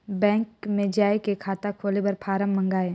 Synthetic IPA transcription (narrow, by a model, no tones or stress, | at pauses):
bɛ̃ːŋkmẽd͡ʒaːekekʰaːt̪akʰoːlebɐɾpʰaːɾəmːə̃ŋɡaːe